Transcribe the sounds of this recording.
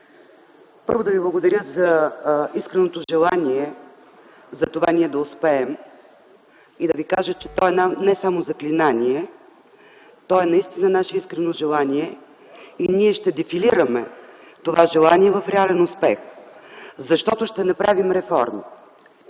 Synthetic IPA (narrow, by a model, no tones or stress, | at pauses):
pɤ̰ɾvod̪ɐviblˠɐɡod̪ɐɾʲjəzɐiskɾɛnot̪oʒɛlˠaniɛ | zɐt̪ovaniɛd̪ɐʊspɛɛm | id̪ɐvikaʒət͡ʃɛt̪ɔɛnanɛsamozɐklinaniɛ | t̪ɔɛnɐist̪inənaʃɛiskɾɛnoʒɛlˠaniɛ | iniɛʃt̪ɛd̪ɛfiliɾəmɛ | t̪ovaʒɛlˠaniɛvɐfɾɛalɛnʊspɛx | zɐʃt̪ɔt̪oʃt̪ɛnɐpɾavimɾɛfɔ̰ɾmi